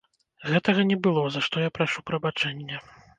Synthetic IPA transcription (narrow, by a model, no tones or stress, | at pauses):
ɣɛt̪ɐɣɐnʲɛbɨlˠɔzaʂt̪ɔjapɾaʂupɾɐbat͡ʂɛnʲːɛ